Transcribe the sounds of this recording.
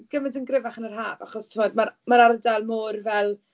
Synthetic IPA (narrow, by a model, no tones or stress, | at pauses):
ɡ̥əmɪdənɡrɪvaχənərɦaːvaχɔstʰɪmɔdmaɾmaɾardalˠmoːrvɛlˠ